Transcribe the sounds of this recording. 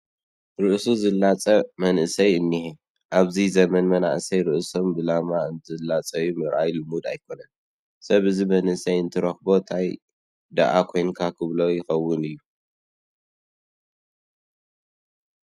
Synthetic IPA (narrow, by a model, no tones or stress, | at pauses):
ɾɨʔsuzɨlːat͡sʼɐmɐnʔɨsɐjɨnːihe | ʔaβzizɐmɐnmɐna̰ʔsɐjɾɨʔso̞mbɨlamaɨnt̪ʰɨlːat͡sʼɐjumɨɾʔajlɨmud̪ajkʰo̞nɐn | sɐβɨzimɐnʔɨsɐjɨnt̪ʰɨɾɐxbo̞t̪ʰaj | d̪a̰ʔakʰo̞jnkʰakʰɨβlɐjɪxɐwːʊnɨjːu